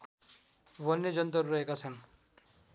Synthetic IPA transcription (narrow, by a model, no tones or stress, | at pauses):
βʌnːed͡zʌnt̪ʌɾːʌɦekat͡sʰʌn